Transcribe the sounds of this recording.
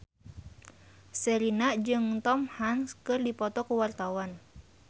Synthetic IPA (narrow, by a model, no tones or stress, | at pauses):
sɛɾinaʔd͡ʒɨŋt̪ɔmhanskɨrdipɔt̪ɔkuwart̪awan